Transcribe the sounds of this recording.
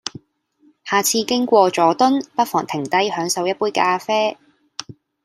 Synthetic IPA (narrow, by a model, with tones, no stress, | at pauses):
haː˨˩t͡sʰiː˧kɪ˥ŋkʷɔː˧t͡sɔː˨˥t̪ʊ˥npɐ˥k̚fɔː˨˩ŋt̪ʰɪ˨˩ŋt̪ɐ˥jhœː˨˥ŋsɐ˨˧wjɐ˥t̚puː˥jkaː˧fɛː˥